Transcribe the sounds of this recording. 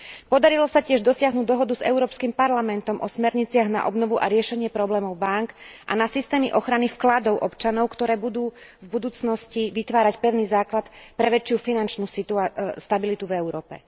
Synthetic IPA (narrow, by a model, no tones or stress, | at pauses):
pɔd̪aɾilɔsacɪɛʒd̪ɔsɪaɦnuːɟ̚d̪ɔɦɔd̪uzɛ̰ʊɾɔːpskimpaɾlamɛnt̪ɔmʔɔsmɛɾɲit͡sɪaɣna̰ʔɔ̰bnɔʋuʔa̰ɾɪɛʃɛɲɪɛpɾɔblɛːmɔʊbaŋkʔa̰nasist̪ɛːmḭʔɔxɾanifklad̪ɔʊʔɔpt͡ʃanɔʊkt̪ɔɾɛːbud̪uːvbud̪uːt͡snɔsciʋit̪ʋaːɾacpɛʊniːzaːklat̪pɾɛʋɛt͡ʃjufinant͡ʃnuːsit̪uast̪abilit̪uvɛʊɾɔːpɛ̰